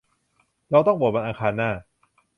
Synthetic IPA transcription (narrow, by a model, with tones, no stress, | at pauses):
ɾa˧wt̪ɔ˥˩pbu˨˩t̚ba˧nʔaː˧kʰaː˧nːaː˥˩